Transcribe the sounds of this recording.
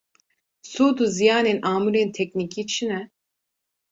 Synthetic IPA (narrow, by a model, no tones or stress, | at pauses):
soːd̪uzijaːnenʔaːmuɾent̪ʰɛk̚nikʰit͡ʃʰinɛ